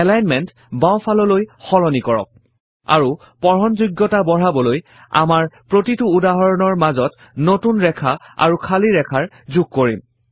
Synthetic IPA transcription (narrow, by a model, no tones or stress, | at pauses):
ɛlajnmɛnt | bawpʰalɔlojxɔlɔnikɔɹɔ̰k̚ | a̰ɹu | pɔɹɔnzuɡːɔtabɔɹ̤abɔloj | a̰maɹpɹotituːdaɦɔɹɔnɔɹmazɔt | notunɹɛkʰaa̰ɹukʰaliɹɛkʰaɹ | zuɡ̚koɹim